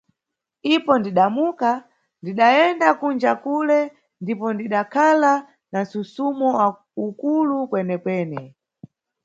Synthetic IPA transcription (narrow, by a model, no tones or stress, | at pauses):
ipɔndiɗamuka | ndiɗaɛndakund͡ʒakulɛ | ndipɔndiɗakʰala | nansusumɔa | ukulukwɛnɛkwɛːnɛ